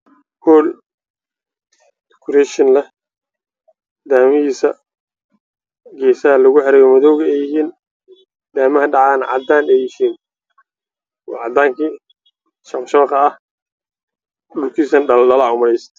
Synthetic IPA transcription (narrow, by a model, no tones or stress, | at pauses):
hɔːl | d̪ɪkʰʊɾɛʃɪnlɐ | d̪aːmɪɦiːsɐ | ɡɛːsaɐlɐɣʊħɛɾɛjɔmɐðɔwɣɛjɪɦiːn | d̪aːmɐɦɐɖɑʕaːnʕɑ̰d̪aːnɛjɪhiːn | ɔ̰ːʕɑd̪aːŋkʰiː | ʃɐqʃɐqɑɐh | ɗʊlkʰiːsɐnɖɐɖɐlɐʕʊmɐlɛjst̪ʰ